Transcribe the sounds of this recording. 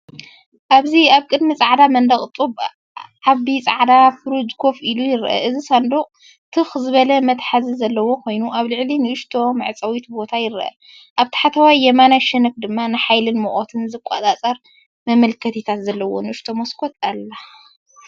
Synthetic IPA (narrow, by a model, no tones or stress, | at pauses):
ʔaβziaβkʼɨd̪mit͡sʼaʕd̪amɐnd̪ɐχʼt̪ʼub | ʕaβit͡sʼaʕd̪afɨɾud͡ʒkʰo̞filujɪɾʔɐ̰ʔɨzisand̪oχʼ | t̪ʰɨxzɨβɐlɐmɐt̪ħazizɐlːɐwo̞kʰo̞jnuʔaβlɨʕlinɨʔɨʃt̪ʰo̞mɨʕt͡sʼɐwit̪bo̞t̪ʰajɪɾɨʔɐ̰ | ʔaβt̪ʰɨ̥ħat̪ʰɐwajjɛmanaʃɐnɐk̚d̪ɨmːanɨħajlɨnmoʔʼot̪ʰɨnzɨkʷʼa̰t̪ʼat͡sʼɐɾ | mɐmɐlkʰɐt̪ʰit̪ʰat̪zɐlːɐwo̞̰nɨʔɨʃt̪ʰo̞moskʰot̪ʼalːa